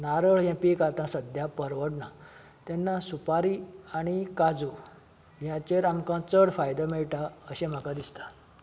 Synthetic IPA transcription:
naɾəɭjɛ̃pikaɾt̪ãsəd̪ʱjapəɾʋəɽna | t̪ɛnːasupaɾiaɽ̃ikad͡zu | jãt͡ɕeɾamkãt͡səɽfajd̪amɛɭʈaəɕẽm̤akãd̪ist̪a

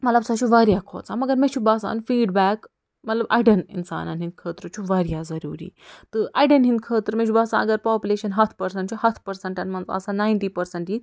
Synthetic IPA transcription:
mɐt̪lɐbsat͡ʃʰuʋɐɾjakʰo̰ːt͡samɐɡɐɾmet͡ʃʰubɐsa̰ːnfiːɖbæːk | mɐt̪lɐbɐ̰jɖɐnḭnsa̰ːnanɦĩnd̪̚kʰəːt̪ɾɐt͡ʃʰuʋɐɾjazɐɾuːɾḭːt̪ɨʔɐjɖɐnɦĩnd̪̚kʰəːt̪ɾmet͡ʃʰubɐsã̰ɐɡɐɾpaːpʲuleːʃɐnɦɐt̪ʰpɐɾsɐɳʈt͡ʃʰuhɐt̪ʰpɐɾsɐɳʈɐnmɐnzɐ̰sãnaːjnʈiːpɐɾsɐɳʈɦiː

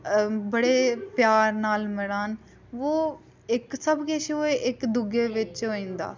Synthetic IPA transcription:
bəɽeːpjaːɾnaːlmɪɽaːn | ʋoː | ɪksəbkeʃoːeʔɪkd̪ʊɡeːʋɪt͡ʃɦoːĩːnd̪a̰ː

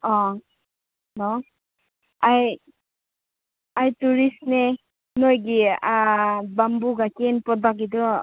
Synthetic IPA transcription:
ɔ | nɔ | aj | ajtuɾisne | nojɡi | bambuɡakenpɔbakɡidɔ

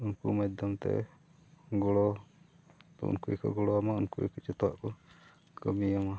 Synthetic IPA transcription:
unkumajd̪ɔmt̪ɛ̰ | ɡɔɽɔ | t̪ɔ̰ṵnkuɛkɔɡɔɽɔamaunkuɛ̰kit͡ʃut̪ɔwa̰ʔkɔ | kəmiama

